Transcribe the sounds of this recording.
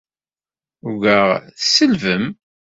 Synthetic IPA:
ʊɡəʁθsəlvəm

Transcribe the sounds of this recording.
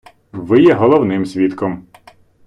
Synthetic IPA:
ʋɪjɛɦɔlˠɔwnɪmsʲʋʲit̪kɔm

